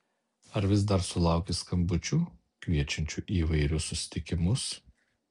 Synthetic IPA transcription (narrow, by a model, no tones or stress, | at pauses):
ɐɾʋʲɪs̬d̪ɐɾsʊlˠɑˑʊkʲɪskɐmbʊt͡ʃʲuː | kʋʲiɛt͡ʃʲɛnʲt͡ʃʲuʔiːʋɐɪɾʲʊsːʊsʲɪ̥t̪ʲɪkʲɪmʊs